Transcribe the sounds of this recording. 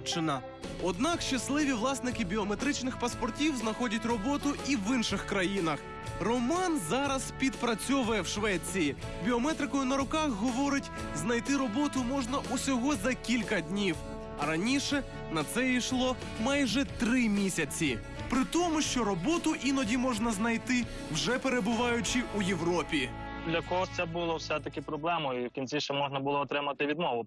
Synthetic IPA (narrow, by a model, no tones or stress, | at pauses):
t͡ʃɪnɐ | ɔd̪nɑkʃt͡ʃɐslˠɪʋʲiʋlˠɑsnɪkɪbʲiɔmet̪ɾɪt͡ʃnɪxpɐspɔrtʲiwznɐxɔdʲɐtʲrɔbɔt̪ʊiʋɪnʃɪxkɾɐjinɐx | rɔmɑnzɑɾɐspʲid̪pɾɐt͡sʲɔʋɛwʃʋɛt͡sʲijibʲiɔmɛt̪ɾɪkɔjʊnɐɾʊkɑxɦɔʋɔɾɪtʲ | znɐjt̪ɪɾɔbɔt̪ʊmɔʒnɐʔusʲɔɦɔzɐkʲilʲkɐd̪ʲnʲiw | ɐɾɐnʲiʃɛ | nɐt̪sɛiʃlˠɔ | mɑjʒɛt̪ɾɪmʲisʲɐt͡sʲi | pɾɪt̪ɔmʊʃt͡ʃɔɾɔbɔt̪ʊʔinɔdʲimɔʒnɐznɐjt̪ɪ | wʒɛpeɾe̞bʊʋɑjʊt͡ʃɪujeʋɾɔpʲi | d̪lʲɐkɔɦɔt̪sɛbʊlˠɔwsɛt̪ɐkɪpɾɔblˠɛmʊiwkʲint͡sʲiʃt͡ʃɛmɔʒnɐbʊlˠɔːt̪ɾɪmɐt̪ɪʋʲid̪mɔʋʊ